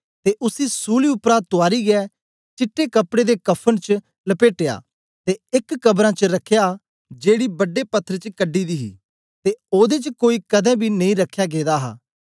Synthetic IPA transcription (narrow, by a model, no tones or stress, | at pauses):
t̪eːʔʊsiːsuːliːʊpɾaːt̪ʊaːɾiːɡɛː | t͡ʃɪʈːeːkəpɽeːd̪eːkəpʰənt͡ʃ | ləpeːʈeja̰ː | t̪eːɪkːəbɾãːt͡ʃəɾəkʰːjaː | d͡ʒeːɽiːbəɖːeːpət̪ʰːəɾt͡ʃkəɖiːd̪iːɦḭː | t̪eoːd̪eːt͡ʃkoːiːkəd̪ɛ̃ːbʱiːnɐĩːɾəkʰːjaːɡeːd̪aːɦa̰ː